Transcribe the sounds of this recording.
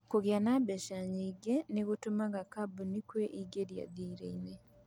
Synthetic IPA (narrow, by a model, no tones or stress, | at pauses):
kuɣjanabeʃaɲiɡeniɣutumaɡakabunikweʔiɡeɾja̰ðiːɾḛine